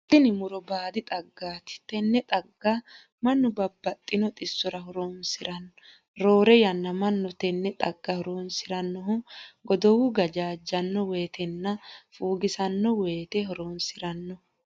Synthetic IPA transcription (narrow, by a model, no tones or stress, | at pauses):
t̪ʼɪnɪmʊɾɔbaːd̪ɪt̪ʼɐɡːaːt̪ɪ̥t̪ɛnːɛt̪ʼɐɡːa | mɐnːʊbɐbːɐt̪ʼːɪnɔt̪ʼɪsːɔɾɐɦɔɾoːnsɪɾɐnːɔ | ɾo̞ːɾɛjɐnːɐmɐnːɔt̪ɛnːɛt̪ʼɐɡːɐhɔɾoːnsɪɾɐnːɔʊɡɔd̪ɔwuɡɐd͡ʒaːd͡ʒːɐnːɔwe̞ːt̪ɛnːɐfuːɡɪsɐnːɔwe̞ːt̪eɦɔɾoːnsɪɾɐnːɔ